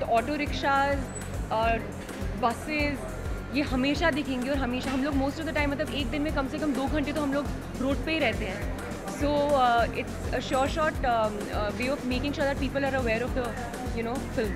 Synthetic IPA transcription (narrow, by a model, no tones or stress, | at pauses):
ɔːʈoːɾɪkʃaːzː | bɐsɪz | jeɦɐmeːʃad̪ɪkʰẽːŋɡiɔːɾɦɐmeːʃaɦɐ̃mloːɡmoːsʈɔʋd̪əʈãɪmːɐt̪ləbeːk̚d̪ɪ̃nmẽkɐmsekɐ̃md̪oːɡʱɐ̃ɳʈet̪oɦɐ̃mloːɡ | ɾoːʈ̚peɦiɾɛɦt̪eɦɛ̃ː | soːɪʈsəʃɔːʈʃɔːʈː | ʋeːɔfmeːkɪ̃ŋʃoːɾd̪æʈ̚piːpəlaɾəʋɛːɾɔʋd̪ə | junoːfɪlm